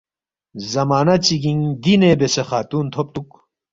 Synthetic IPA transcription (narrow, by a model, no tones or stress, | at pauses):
zɐmaːnɐt͡ɕiɡiŋd̪inebesexaːt̪uːnt̪ʰop̚t̪uk